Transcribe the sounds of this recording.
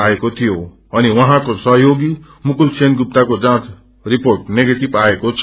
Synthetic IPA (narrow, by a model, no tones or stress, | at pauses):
aekot̪ʰijo | ʌniwɔ̃ɦãkosʌɦjoɡi | mukulsenɡup̚t̪akod͡ʒãt͡ʃ | ɾipoɾʈneɡeʈibaekot͡ʃʰ